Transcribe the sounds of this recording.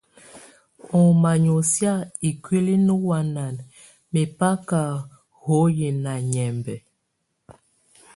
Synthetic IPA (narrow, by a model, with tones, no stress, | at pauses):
ɔ˨ma˨ɲo˨sja˦˨i˨kɥe˦li˦nu˦wa˨na˨n | me˨pa˦ka˨ | ho˨˦je˨na˨ɲɛ˨mbɛ˨